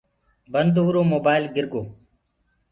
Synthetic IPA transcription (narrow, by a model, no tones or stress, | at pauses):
bənd̪oɦuɾoːmoːbaːɪlɡɪɾɡoː